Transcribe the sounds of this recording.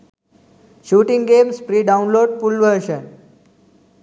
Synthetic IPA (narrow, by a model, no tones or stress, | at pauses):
ʃuːʈĩŋɡɡemspɾiːɖaʊnloːɖ̚pulʋəɾʃən